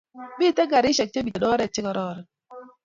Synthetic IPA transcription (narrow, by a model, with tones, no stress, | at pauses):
bi˦˨tɛ˦ɡa˨ɾɪ˦ʃɛ˨k̚t͡ʃe˦bi˨e˨dɔ˦ɾɛ˨t͡ʃɪ˦kɔ˨ɾɔː˦˨ɾɛ˨